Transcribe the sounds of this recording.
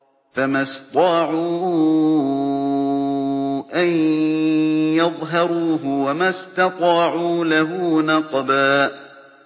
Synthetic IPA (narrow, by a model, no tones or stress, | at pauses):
famast̪ˤɑːʕuː | ʔan | jɑðˤɦɑɾuːɦʊwamast̪ɑt̪ˤɑːʕuːlaɦuːnɑqbaːʔ